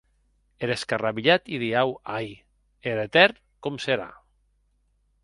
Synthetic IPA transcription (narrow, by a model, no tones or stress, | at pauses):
eɾeskaraβiʎat̪iðiawaj | eɾet̪ɛɾ | komseɾa̰